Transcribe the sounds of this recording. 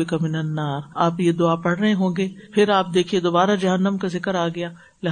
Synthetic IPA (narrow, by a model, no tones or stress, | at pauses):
ɪkamɪnɐnːaːɾaːpjed̪ʊaːpɐɽɾɐɦẽɦõːɡeːpʰɪɾaːp̚d̪eːkʰied̪oːbaːɾad͡ʒɐɦənːəmkazɪkəɾaːɡɐjaː | lɪɦ